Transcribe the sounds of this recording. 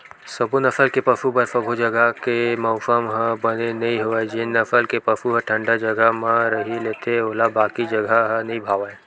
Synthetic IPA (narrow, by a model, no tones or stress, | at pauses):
sɐbunɐfəlkepɐfubɐɾfɐbʱod͡ʒɐɡəkemɐʊsəmɦə̃bɐnenɐɦĩɦoed͡ʒinːɐfəlkepɐfuɦə̃ʈʰə̃ɳɖad͡ʒɐɡəmãɾɐɦileːt̪ʰeoːlabaːkid͡ʒɐɡʱaɦə̃nɐɦĩbʱaːʋae